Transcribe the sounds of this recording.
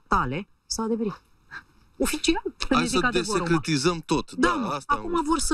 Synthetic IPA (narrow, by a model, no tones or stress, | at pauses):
t̪ale̞ | sawad̪eveɾit̪ | o̞fit͡ʃialsəesiəkad̪esekɾet̪izəmt̪o̞t̪d̪asakumavo̞rsə